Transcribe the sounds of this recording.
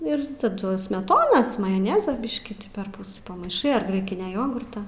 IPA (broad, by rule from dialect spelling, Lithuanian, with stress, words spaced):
ɪr tɐˈdʊ sʲmʲɛˈtoːnɐs mɐjoːˈnʲæːzɐ ˈbʲɪʃʲkʲiː pʲɛrˈpʊs pɐmɐɪˈʃɐɪ ɐr ˈɡrɐɪkʲɪnʲɛ ˈjoːɡʊrtɐ